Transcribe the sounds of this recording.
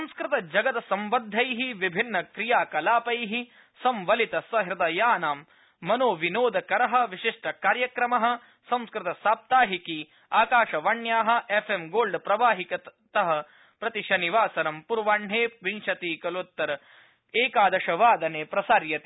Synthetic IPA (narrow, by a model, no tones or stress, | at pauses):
ɐmskɾɪt̪ɐd͡ʒɐɡɐt̪ɐsɐmʋɐd̪ʱːɐjɦiʋibʱinːɐkɾijaːkɐlaːpɐjɦi | sɐmʋɐlit̪ɐsɐɦɾɐd̪ɐjaːnaːmː | ɐnoːʋinoːd̪ɐkɐɾɐɦɐ̆ʋiʃiʂʈɐkaːɾjɐkɾɐmɐɦɐ̆ | sɐ̃mskɾɪt̪ɐsaːp̚t̪aːɦiki | aːkaːʃɐʋɐɳjaːɦɐ̆efʰemɡoːlɖpɾɐʋaːɦikɐt̪ɐɦɐ̆ | pɾɐt̪iʃɐniʋaːsɐnɐmpuɾʋaːɳɦeːʋinʃɐt̪iːkɐlot̪ːɐɾ | eːkaːd̪ɐʃɐʋaːd̪ɐneːpɾɐsaːɾjɐt̪i